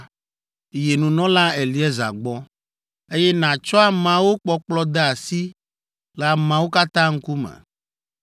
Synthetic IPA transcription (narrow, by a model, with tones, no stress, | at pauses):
je˨nũ˨nɔ̃˦la˦e˨li˨˦ɛ˦za̰˨ɡ͡bɔ˦ | e˦jɛ˦nã˨t͡ʃɔ˦a˨mã˨wo˦k͡pɔ˦k͡plɔ˦d̪ɛ˦a˨si˦ | lɛ˨a˨mã˨wo˦ka˦t̪ã˦ŋ̩˦ku˦mɛ̰̃˨